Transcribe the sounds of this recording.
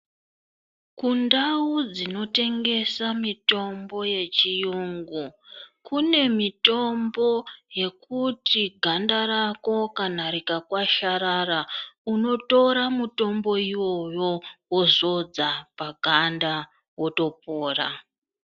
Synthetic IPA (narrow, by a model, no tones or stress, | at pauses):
kundaud͡zino̞te̞ŋɡe̞samito̞mbo̞je̞t͡ʃijuːŋɡukune̞mito̞mbo̞je̞kutiɡʱandaɾako̞kanaɾikakwaʃaɾarauno̞to̞ɾamuto̞mbo̞iwo̞jo̞wozo̞d͡zapaɡʱanda | wo̞to̞p̚oːra̰